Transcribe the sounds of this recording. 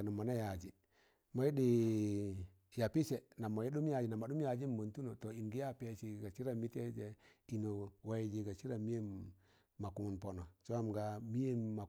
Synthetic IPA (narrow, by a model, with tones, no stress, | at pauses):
na˨mo˨na˦ja˨d͡ʒi˨ | ma˦i˦di˨ | ja˨pi˦se˨na˨mo˨je˦ɗu˦m˦ja˨d͡ʒi˨na˨ma˨du˦mja˨d͡ʒi˦m˦mo˨ntu˦no˨to˨i˨nɡi˦ja˦pe˦t͡ʃi˨ɡa˨t͡ʃi˦ɾa˦˨mi˦te˦d͡ʒe˨i˨no˨wa˦i˨d͡ʒi˨ɡa˨t͡ʃi˦ɾa˨mi˦eː˦ | a˨ku˨mu˨npo˨no˨t͡ʃo˦a˦mɡa˨mi˦je˦ma˨